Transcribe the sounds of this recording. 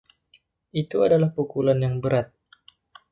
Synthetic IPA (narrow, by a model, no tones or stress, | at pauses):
ʔit̪uadalahpukulanjaŋbəɾat̪̚